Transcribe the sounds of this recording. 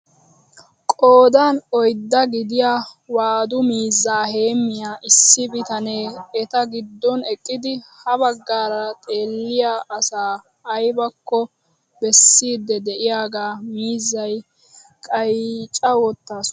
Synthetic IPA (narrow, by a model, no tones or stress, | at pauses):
kʼoːd̪aːnɔjd̪ːɐɡɪd̪ɪjaːwaːd̪ʊmiːzːaːhe̞ːmːɪjaːʔɪsːɪbɪt̪ɐneːɛt̪ɐɡɪd̪ːɔnɛkʼːɪd̪ɪhɐβɐɡːaːɾɐt̪ʼe̞ːlːɪjaːʔɐsaː | ɐjbɐkːɔ | bɛsːiːd̪ːɛd̪ɛʔɪjaːɡaːmiːzːɐj | kʼɐjt͡ʃʼɐwɔt̪ːaːsɔ̥